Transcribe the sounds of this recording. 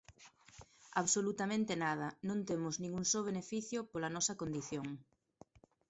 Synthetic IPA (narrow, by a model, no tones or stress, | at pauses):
aβsolut̪ɐmẽnt̪enað̞ɐnõnt̪emʊznĩŋɡuŋsoβ̞enefiθjopolɐnɔsɐkond̪iθjoŋ